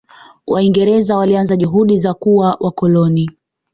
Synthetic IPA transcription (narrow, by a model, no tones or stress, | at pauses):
waiŋɡɛɾɛzawalianzaʄuɦuɗizakuawʔakɔlɔni